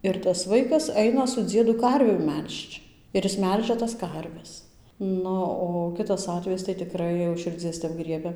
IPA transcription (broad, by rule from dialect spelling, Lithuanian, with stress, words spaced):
ˌɪr tɐs ˈʋɐɪkɐs ˈɐɪnɐ sʊ ˈd͡zʲiɛdʊ ˈkɐrʲʋʲuː ˈmʲɛlʲʃt͡ʃ ˌɪr ɪs ˈmʲɛlʲʒʲɛ tɐs ˈkɐrʲʋʲɛs ˈnʊ oː ˈkʲɪtɐs ˈɑːtʲʋʲɛjɪs tɐɪ tʲɪˈkrɐɪ jɛʊ ʊʃ ʃʲɪrʲˈd͡zʲiɛs tʲɛp ˈɡrʲiɛbʲɛ